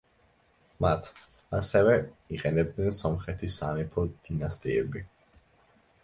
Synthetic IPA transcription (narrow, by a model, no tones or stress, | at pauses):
mat̪ʰ | asɛvɛiqʼɛnɛb̚d̪nɛnsɔmχɛt̪ʰisanipʰɔd̪̥inast̪ʼiɛbi